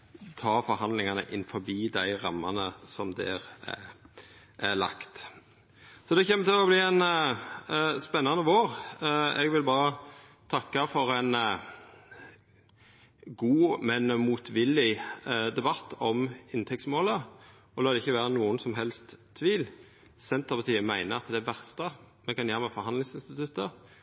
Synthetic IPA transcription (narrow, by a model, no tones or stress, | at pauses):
t̪ʰɑːfɔɾhɑnd̪lɪŋɑnə̰ʔɪnfɔɾbiːd̪æɪɾɑmːɑnəsɔmd̪ɛ̰ɾæ̰ | ʔælɑ̰kt̪ | sɔd̪ɛçɛmːət̪ʰɪlɔbliːɛn | spɛnːɑnəʋoːɾɛɡʋɪlbɑːɾə | t̪ʰɑkːɑfɔɾɛn | ɡuːmɛnmuːt̪ʰʋɪlːɪd̪ɛbɑt̪ːɔmɪnt̪ʰɛksmoːlə | ɔlɑːd̪ɛɪçːəʋæːɾənuːənsɔmɦɛlst̪ʰːʋiːl | sɛnt̪əpɑt̪ʰiːəmæɪnəɑt̪d̪æʋæʁst̪ə | mɛkɑnjæːmɛfɔɾhɑnlɪŋsɪnst̪ɪt̪ʰʉt̪ə